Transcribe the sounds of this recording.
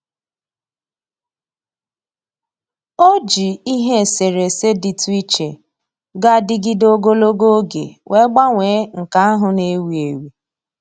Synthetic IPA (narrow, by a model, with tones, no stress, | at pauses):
o˦d͡ʒi˨i˦ɦe˦˨se˨ɾe˨se˦di˨tu˦i˦t͡ʃe˨ | ɡa˦dɪ˦ɡɪ˦do˦ɡo˦lo˦ɡo˦ɡḛ˨wʔe˦ɡ͡ba˦ŋʷeː˨˦ŋ̩˨ka˨˦a˦ɦʊ˨ne˦wi˨e˨wi˨